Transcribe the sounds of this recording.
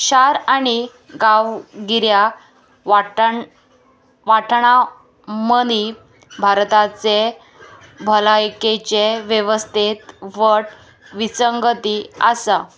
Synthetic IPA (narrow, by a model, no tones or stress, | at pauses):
ɕaɾaɽ̃i | ɡawɡiɾja | ʋaʈʰɳa | məd̪i | bʱaɾt̪at͡se | bʱəlajket͡ɕeʋjeʋəst̪ʰit̪ʋəʈ | ʋit͡səŋɡət̪iəsa